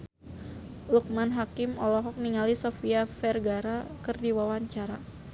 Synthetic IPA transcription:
luk̚manɦakɪmɔlɔɦɔk̚niŋalisofiafɛrɡaɾakɨrdiwawaɲt͡ʃaɾa

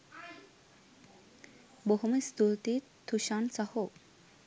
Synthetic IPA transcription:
boɦumest̪ult̪i | t̪ʰːuɕansaho

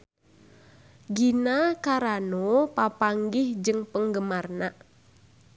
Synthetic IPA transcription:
ɡinakaɾanopapaŋɡɪhd͡ʒɨŋpəŋɡəmarna

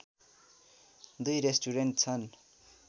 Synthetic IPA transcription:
d̪ujɾesʈuɾenʈt͡sʰʌn

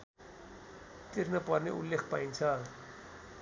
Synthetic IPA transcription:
t̪iɾnʌpʌrneʔulːekʰpaint͡sʰʌ

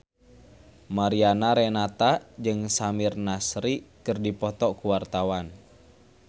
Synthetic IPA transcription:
maɾianaɾɛnat̪ad͡ʒɨŋsamirnasɾikɨrdipɔt̪ɔkuwart̪awan

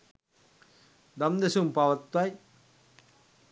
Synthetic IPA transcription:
d̪ɐmd̪esumpaʋɐt̪waj

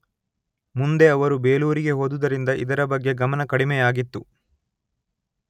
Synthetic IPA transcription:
mund̪e̞ɐʋɐɾube̞ːluːɾiɡe̞ɦoːd̪ud̪ɐɾind̪ɐʔid̪ɐɾɐbɐɡːe̞ɡɐmɐnɐkɐɽimɛjaːɡit̪ːu

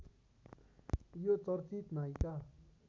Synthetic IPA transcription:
jot͡sɔɾt͡sit̪naika

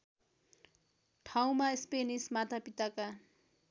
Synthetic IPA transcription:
ʈʰaw̃maspenismat̪ʰapit̪aka

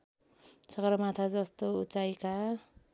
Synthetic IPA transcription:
sʌɡɾʌmat̪ʰad͡zʌst̪out͡sajka

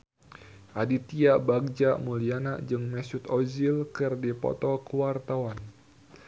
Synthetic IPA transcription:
ʔadit̪iabaɡ̚d͡ʒamulianaʔd͡ʒɨŋmɛsut̪ɔzilkɨrdipɔ̰t̪ɔkuwart̪awan

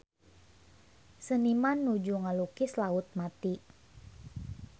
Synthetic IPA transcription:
sənimanːud͡ʒuŋalukɪslaʊt̪̚mat̪i

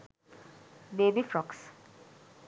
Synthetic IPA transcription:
beːbifɾɔks

